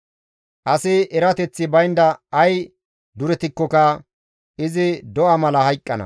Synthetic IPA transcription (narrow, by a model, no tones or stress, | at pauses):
ʔɐsɪɛɾɐt̪ɛt͡sːɪbɐjnd̪ɐɐj | d̪ʊɾɛt̪ɪkːɔkɐ | ɪzɪd̪ɔʔɐmɐlɐhɐjkʼːɐnɐ̰